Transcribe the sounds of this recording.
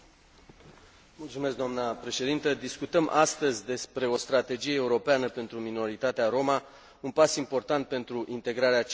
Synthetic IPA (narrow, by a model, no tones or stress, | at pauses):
mult̪sume̞s̬kd̪amnəpɾe̞ʃe̞d̪int̪əd̪iskut̪əmʔast̪əzʲd̪e̞spɾe̞o̞st̪ɾat̪e̞d͡ʒije̞ːuɾo̞peanəpe̞nt̪ɾumino̞ɾit̪at̪eaɾo̞ma | unpasimpo̞rt̪ant̪̚pe̞nt̪ɾuʔint̪e̞ɡɾaɾeat͡ʃ